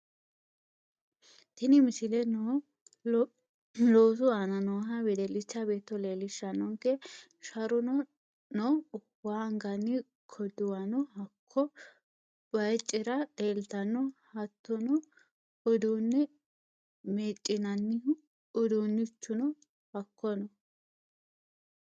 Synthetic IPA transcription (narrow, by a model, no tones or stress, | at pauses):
t̪ɪnɪmɪsɪlɛnɔ | loːsʊaːnɐnɔɦɐbɛd̪ɛlɪt͡ʃːɐbe̞ːt̪ːɔleːlɪʃɐnːɔŋkɛ | ʃɐɾʊnɔ | nɔ | aŋɡɐnːɪ | kʰɔd̪ʊwɐnɔɦɐkʰːɔ | b̥ɐjt͡ʃʼːɪɾɐeːlt̪ɐnːɔhɐt̪ːɔnɔ | ɔd̪uːnːɛ | meːt͡ʃʼːɪnɐnːɪ | ʊd̪uːnːɪt͡ʃːʊnɔ | hɐkʰːɔnɔ